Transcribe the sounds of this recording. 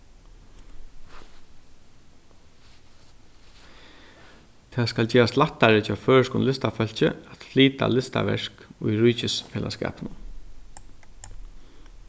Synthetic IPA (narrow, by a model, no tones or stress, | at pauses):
t̪ʰaːðskalt͡ɕɛːɾaslaht̪ːaɾɪt͡ʃafœːʂkʊnlɪst̪afœl̥t͡ɕɪ̰at̪fliːt̪a̰lɪst̪a̰ʋɛ̰ʂkʊjɾujt͡ɕɪsfɛːlʔa̰skɛ̰ːpnʊn